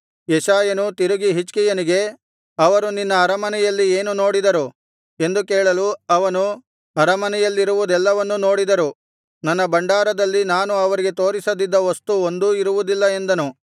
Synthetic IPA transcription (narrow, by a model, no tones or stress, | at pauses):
jɛʃaːjɐnut̪iɾuɡiɦit͡ʃkɛjɐniɡe̞ | ɐʋɐɾuninːɐːɾɐmɐnɛjɐlːieːnuno̞ːɽid̪ɐɾu | e̞nd̪ukeːɭɐluɐʋɐnu | ɐɾɐmɐnɛjɐlːiɾuʋud̪ɛlːɐʋɐnːuno̞ːɽid̪ɐɾu | nɐnːɐbɐɳɖaːɾɐd̪ɐlːinaːnuɐʋɐɾiɡe̞t̪o̞ːɾisɐd̪id̪ːɐʋost̪uond̪uiɾuʋud̪ilːɐe̞nd̪ɐnu